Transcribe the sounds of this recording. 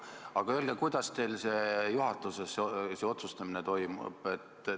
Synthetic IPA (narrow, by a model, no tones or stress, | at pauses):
ɑɡ̥ɑøld̪ɑkujd̪̥ɑst̪e̞jlse̞ːjuɦɑt̪ːˑuseseseo̞t̪sust̪ɑminet̪o̞jmṵb̥e̞t̪